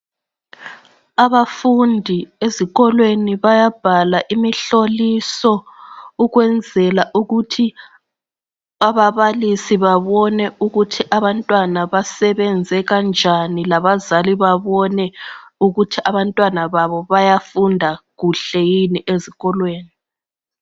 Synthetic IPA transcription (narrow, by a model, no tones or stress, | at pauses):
aβafundʱieziɣɔlweniβajab̥ʱalaʔimiɬolisɔuɣwɛnd͡zʱɛlaʔuɣutʰi | aβaβalisiβaβɔnɛuɣutʰiʔaβantʼwanaβasɛβɛnd͡zʱɛɣand͡ʒʱanilaβazaliβaβɔnɛuɣutʰiʔaβantʼwanaβaβɔβajafundʱaɣuɬɛjiniʔeziɣɔlweːni